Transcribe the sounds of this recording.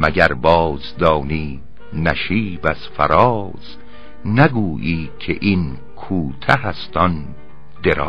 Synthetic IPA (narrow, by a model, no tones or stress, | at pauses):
mæɟæɾbɒːzd̪ɒːniː | næʃiːbæz̥fæ̰ɾɒː | z̥ | næɡuːʔiːcʰḛʔin | kʰuːt̪ʰæhæst̪ɒn | d̪eɾɒ̰ː